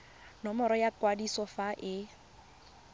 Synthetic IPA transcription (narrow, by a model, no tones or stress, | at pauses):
nɔmɔɾɔjakʼwadisɔfaʔɪ